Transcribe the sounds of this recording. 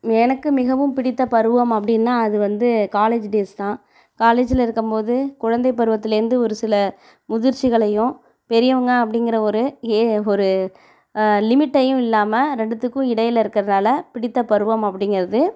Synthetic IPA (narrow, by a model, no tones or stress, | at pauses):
ɛnɐkːɯmɪɣɐʋɯmpɪɽɪt̪ːɐpɐɾɯʋɐmɐpːɐɽɪnːãːɐðɯʋɐnd̪ɯkaːleːd͡ʒɖeːst̪ãː | kaːleːd͡ʒɪlɪɾɯkːɯmpoːðɯkʊɻɐnd̪ɐɪpːɐɾɯʋɐt̪ːɪlɪɾɯnd̪ɯɔɾɯsɪlɐ | mʊðɪɾt͡ʃːɪɣɐɭɐjʊ̃ | pɛɾɪjɐʋɐŋɡɐɐp̬ːɐɽɪŋɡɪɾɐɔɾɯɔɾɯ | lɪmɪʈːɐjɯ̃ɪlːaːmɐɾɛɳɖɯt̪ːɯkːʊ̃ɪɽɐjɪlɪɾɯkːɪɾɐɐnaːlɐpɪɽɪt̪ːɐpɐɾɯʋɐmɐpːɐɽɪŋɡɪɾɐðɯ